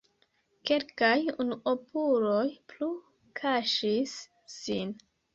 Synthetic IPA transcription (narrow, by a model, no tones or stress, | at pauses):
ke̞lkajunuʔopulo̞jplu | kʰaʃisː | in